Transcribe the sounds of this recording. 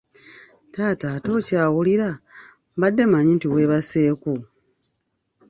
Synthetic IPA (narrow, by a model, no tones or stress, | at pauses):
taːtaːto̞ːcaːwuliɾa | mbadːe̞maɲintiwe̞ːβase̞ːku